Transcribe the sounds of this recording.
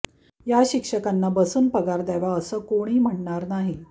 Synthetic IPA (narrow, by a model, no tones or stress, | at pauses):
jaɕikʂəkanːabəsuːnpəɡaɾd̪əʋaəsəːkoɽ̃iːm̤əɳɳaɾnaɦi